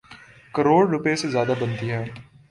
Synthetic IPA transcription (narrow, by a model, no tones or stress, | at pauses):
kɐɾoːɽɾʊpesezjaːd̪abɐ̃nt̪iɦɛː